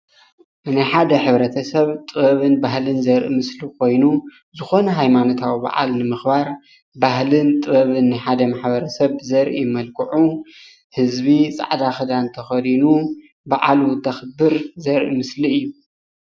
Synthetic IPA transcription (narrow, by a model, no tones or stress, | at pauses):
najħad̪ɐħɨβɾɐt̪ʰɐsɐβt̪ʼɨβɐβɨnbahlɨnzɐɾʔimɨslikʰo̞jnu | zɨxo̞nɐɦajmano̞t̪ʰawiba̰ʕa̰lnɨmɨxbaɾ | bahlɨnt̪ʼɨβɐβɨnːajħad̪ɐmaħbɐɾɐsɐβzɐɾʔimɐlkʰɨʕu | hɨzbit͡sʼa̰ʕd̪axɨd̪ant̪ʰɐxɐd̪inu | ba̰ʕalut̪ʰɐxɨbːɨɾzɐɾʔimɨsliɨjːu